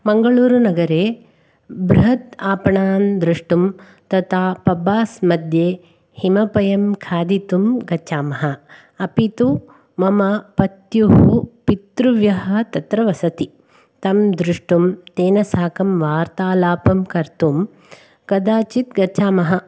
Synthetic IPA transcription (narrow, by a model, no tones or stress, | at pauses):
mɐŋɡɐɭuːɾunɐɡɐɾeː | bɾuɦɐt̪aːpɐɳaːnd̪ɾuʂʈum | t̪ɐt̪ʰaːpɐbaːsmɐd̪jeː | himɐpɐjɐmkʰaːd̪it̪umɡɐt͡ʃaːmɐɦɐ | ɐpit̪u | mɐmɐpɐt̪juɦupit̪ɾuʋjɐɦɐ̆t̪ɐt̪ɾɐʋɐsɐt̪i | t̪ɐmd̪ɾuʂʈumt̪eːnɐsaːkɐmʋaːɾt̪aːlaːpɐmkɐɾt̪um | kɐd̪aːt͡ʃit̪ɡɐt͡ʃaːmɐɦɐ